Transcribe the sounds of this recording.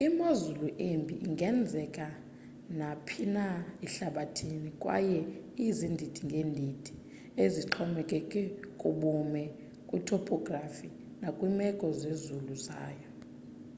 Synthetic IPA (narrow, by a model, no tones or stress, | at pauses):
imazuluʔembʱiʔiŋɡʱɛnd͡zʱɛkʼa | napʰinaiɬaɓatʰinikʼwa̰jɛizindʱitʰʼiŋɡʱeːndʱitʰʼi̥ | eziǁʰɔmɛkʼɛkʼɛkʼuɓumɛ | kʼutʰɔpʰʼɔɡrafi | nakʼwimɛkʼɔzezuluza̰ːjɔ